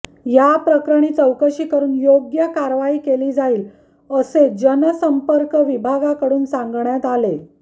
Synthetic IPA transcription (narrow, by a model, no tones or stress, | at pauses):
japɾəkɾəɽ̃iːt͡səwkəɕiːkəɾuːnjoɡjəkaɾʋaiːkeliːd͡zaiːl | əsed͡ʑənəsəmpəɾkəʋibʱaɡakəɽuːnsãŋɡɳjat̪ale